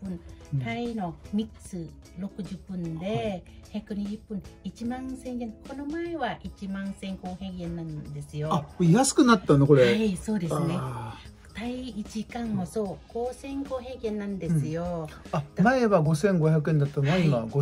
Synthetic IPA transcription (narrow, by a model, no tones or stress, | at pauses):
pɯ̟̃nt̪aino̞mʲiksɨ | ɾo̞kɯ̟ʑɯpːɯ̟̃nd̪e̞çakɯ̟ɲ̟iʑɯpːɯ̟̃nit͡ɕimãñsẽŋɡenko̞no̞maeβaʔit͡ɕimãnsẽ̞ŋko̞ːhe̞ɡẽ̞nːãnd̪e̞sɨjoajasɨ̥kɯ̟nat̪ːaneko̞ɾeaso̞ːd̪e̞sɨne | d̪̥aiit͡ɕikãŋmoso̞ːɡo̞ːsẽ̞ŋɡoːɦe̞ːɡẽ̞nːãnd̪e̞sɨjo̞ad̪maeβaɡo̞sẽ̞ŋɡo̞çjak̬ɯ̟ẽ̞nd̪at̪ːamaimaɡo